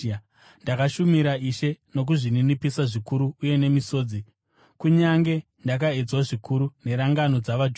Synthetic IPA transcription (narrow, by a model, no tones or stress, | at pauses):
ndakaʃumiɾaiʃe̞no̞k̬uʐininipisaʐikuɾuːje̞ne̞miso̞ːd͡zi | kuɲaŋɡe̞ | ndak̬aed͡zwaʐikʰuɾune̞ɾaŋɡano̞d͡zaʋad͡ʒ